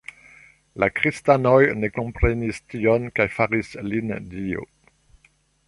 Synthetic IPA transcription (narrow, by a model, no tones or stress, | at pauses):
lakʁist̪anojnekõmpʁenistiɔnkajfaʁislind̪io̰